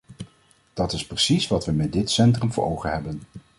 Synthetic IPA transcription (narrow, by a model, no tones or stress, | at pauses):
d̥ɑtɪsprəsisʋɑtʋəmɛt̚dɪtsɛntrəmvə̰ɹowχənɦɛbən